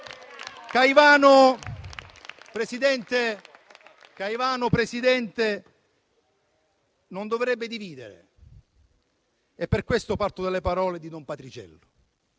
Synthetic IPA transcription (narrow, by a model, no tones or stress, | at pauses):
kajvaːnʊ | pɾesid̪ɛnt̪e | kaivaːnʊpɾesid̪ɛnt̪e | nond̪ovɾɛbːɪd̪iviːd̪ḛɾḛ | ɛpːerkwest̪ʊpart̪ʊd̪ɛlːepaɾɔːled̪id̪ɔmpat̪ɾit͡ʃɛ̰lːʊ